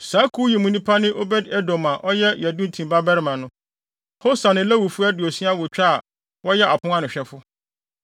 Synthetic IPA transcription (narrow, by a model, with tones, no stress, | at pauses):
sa˨˦kʰu˦ji˨mũ˦nĩ˦pʰa˦nɪ̃˦ʔo˦bɛ˦dɛ˦dɔ̃˨mã˨ʔɔ˦jɛ˦jɛ˨dʊ̃˦n̩˨tʰĩ˨mba˦bɛ˦ɾɪ˨mã˨nʊ̃˦ | ho˦sã˨nɪ̃˨læ˦wu˨fʊ˦ɛ˦dɪ˨ɔ˨si˦a˦wʊ˨t͡ɕᶣa˦a˨ | wɔ˦jɛ˦ʔa˨pʰʊ̃˦ŋã˦nʊ̃˨ɕᶣɛ˨fʊ˦